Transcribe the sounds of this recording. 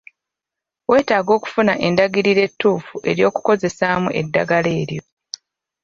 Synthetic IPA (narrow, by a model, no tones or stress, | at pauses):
we̞ːtaːɡo̞ːku̥funaʔe̞ndaɡiɾiɾe̞tːuːfuʔe̞ɾjo̞ːku̥ko̞ze̞samuʔe̞̰dːaɡale̞ːɾjo̞